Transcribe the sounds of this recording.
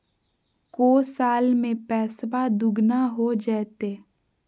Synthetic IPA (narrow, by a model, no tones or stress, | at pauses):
koːsaːlmẽpɛːsbad̪ʊɡnaɦod͡ʒɛːt̪eː